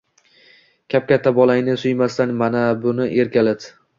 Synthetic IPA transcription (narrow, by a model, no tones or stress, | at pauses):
kʲʰap̚kʲat̪ʰːabɒlajnɪsʊjmast̪anmanabʊnɪʔe̞ɾkʲalad̪